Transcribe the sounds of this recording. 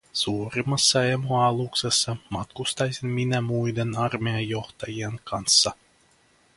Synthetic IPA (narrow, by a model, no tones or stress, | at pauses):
suːɾʲimasːɑemuɑlˠuksesːɑmat̪̚kust̪ɑjzʲinminʲæmujd̪ʲenɑrmʲeajɔxt̪ɑjiɛnkʰɑnsːɑ